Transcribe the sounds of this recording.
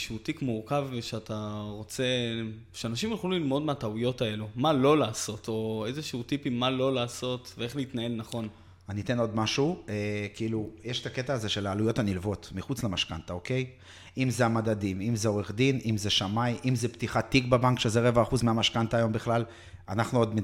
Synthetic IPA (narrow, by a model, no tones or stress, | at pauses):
ʃeut̪ikmuʁkaveʃeat̪ʰaʁo̞t͡se̞ | ʃeanaʃimχlulilmo̞d̪meataujo̞tae̞lumalo̞laːso̞t̪ʰo̞e̞zeʃuutipimːalo̞laːso̞tvee̞χleit̪nae̞lnaχo̞n | anite̞no̞d̪maʃuekiilujeʃt̪aket̪aːze̞ʃe̞laːlujo̞tanilvo̞t̪miχut͡slemaʃkant̪aoke̞j | imzeamad̪ad̪imimzeoʁe̞χd̪inʔimzeʃamajʔimzept̪iχat̪ikbabaŋkʃezeʁe̞vaːχuzmeamaʃkant̪aːjo̞mbiχlal | anaχnuod̪m